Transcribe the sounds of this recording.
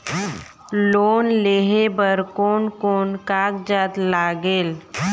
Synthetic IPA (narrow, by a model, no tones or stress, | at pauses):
loːnleːɦebəɾkoːnkoːnkaːkd͡ʒaːt̪laːɡeːl